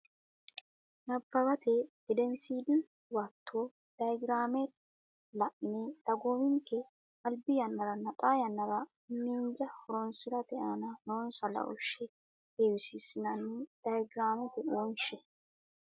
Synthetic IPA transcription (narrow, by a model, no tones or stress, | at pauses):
nɐbːɐbɐt̪ɛ | ɛd̪ɛnsiːd̪ɪ | waːt̪ʰːoː | d̪̥ɐjɡɾaːmɛ | lɐʔɪnɛd̪̥ɐɡoːmɪŋkːɛ | ɐlbɪjɐnːɐɾɐnɐt̪ʼaːjɐnːɐɾɐ | nmiːnd͡ʒɐhɔɾɔnsɪɾɐt̪ɛʔanɐnonsɐlɐ̰ʔɔ̰ʃɛ | heːwɪsɪsɪnɐnːɛd̪̥ajɡɾaːmɛt̪ɛonʃɛ